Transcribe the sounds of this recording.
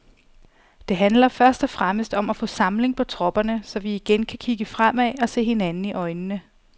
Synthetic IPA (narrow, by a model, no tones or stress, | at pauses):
d̥e̝ɦænlɐfɶɐsd̥ɒ̽fʁaməsd̥ɒ̽mæfɔ̰̽ːsɑ̈mle̝ŋpʰɒ̽t͡sʰʁɒ̽b̥ɐnəsɒ̽ʋiːɡ̥enkʰækʰiɡ̥əfʁam̰ɛɒ̽se̝̰ːhe̝nænn̩iʔɒ̽ɪnənə